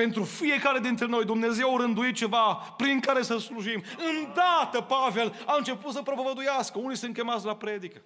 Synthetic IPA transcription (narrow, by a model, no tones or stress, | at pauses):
pe̞nt̪ɾufije̞kaɾe̞d̪int̪ɾe̞no̞jd̪umne̞ze̞waɾɨnd̪uit̪̚t͡ʃe̞vapɾiŋkaɾe̞səsluʒimɨnd̪at̪əpave̞laɨnt͡ʃe̞put̪səpɾo̞povəd̪ujaskəunisɨnt̪̚kʲe̞mat̪sʲlapɾe̞d̪ikə